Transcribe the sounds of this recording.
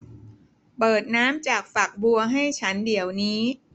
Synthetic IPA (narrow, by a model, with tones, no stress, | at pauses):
pɤː˨˩t̪̚naː˦˥mt͡ɕaː˨˩k̚fa˨˩k̚bu˧ɐɦa˥˩jt͡ɕʰa˦˥ndi˩˦əwniː˦˥